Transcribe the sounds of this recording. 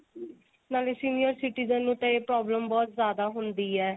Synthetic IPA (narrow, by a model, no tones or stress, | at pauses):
naːlesiːnijəɾsɪʈiːzənːũːt̪ɛ̃eːpɾɔːbləmbɔːt̪zjaːd̪aːɦʊnd̪iːɛː